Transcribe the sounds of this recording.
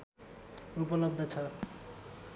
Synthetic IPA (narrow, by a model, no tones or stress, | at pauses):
upʌlʌb̚d̪ʱʌt͡sʰʌ